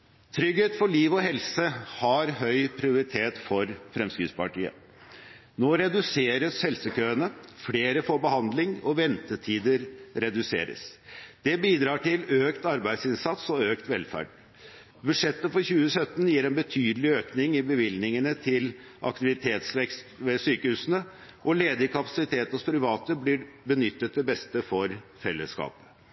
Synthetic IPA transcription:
t̪ʰɾʏɡheːt̪fɔɭiːʋɔhɛlsəhɑɾɦœʏpʰɾɪʊɾɪt̪ʰeːt̪fɔɾfɾɛmskɾɪt̪spɑʈḭːə̰ | noːɾɛd̪ʉseːɾəshɛlsəkøːənəfleːɾəfoːɾbəhɑnd̪lɪŋɔʋɛnt̪ət̪ʰiːd̪əɾɾɛd̪ʉsḛːɾə̰sd̪̥ɛbiːd̪ɾɑːʈɪløːkt̪ɑɾbæɪsɪnsɑt̪sɔøːkt̪ʋɛlfæ̰ːɖ | bʉʂɛt̪ːəfɔɾçʉːəsœt̪ːnjiːɾɛnbət̪ʰyːd̪əlɪøːknɪŋɪbəʋɪlnɪŋənət̪ʰɪl | ʔɑ̰kt̪ɪʋɪt̪ʰeːt̪sʋɛkst̪ʋɛsyːkəhʉːsənə | ʔɔleːd̪əɾkʰɑpɑ̥sɪt̪ʰeːt̪spʰɾɪʋɑːt̪əblɪbənʏt̪ːət̪̚d̪ɛbɛst̪əfɔɾfɛlːə̰skɑ̰ːpə̥

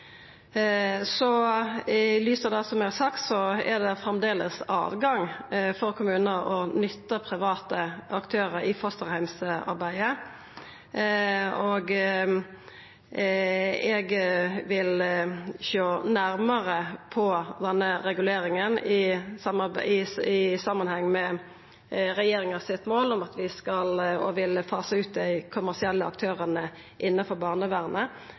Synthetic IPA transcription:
sɔɪlyːsəd̪ɛsɔmɛsɑkt̪sɔɛd̪ɛfɾɛmd̪eːləsɑ̰ːʋɡɑŋfɔɾkʰʊmʉːnəɾɔnʏt̪ːəpʰɾɪʋɑːt̪əɑkt̪ʰøːɾəɾɪfɔst̪əʁhæɪmsɑ̰ɾbæɪə | oɡ | ɛɡʋɪl | ʃoːnæɾməʁəpʰɔd̪ɛnːəʁɛɡʉleːɾɪŋənɪsɑmɑbɪɪsɑmɑnhɛŋːmɛ | ʁɛjeːɾɪŋəsɪt̪moːlʊmɑt̪ʋɪskɑlɔʋɪlfɑːsəʉːt̪̚d̪æɪkʰʊmæʁsɪɛlːəɑ̰k̚t̪ʰøːʁənə | ʔɪnːɑfɔbɑːʁnəʋæʁnə

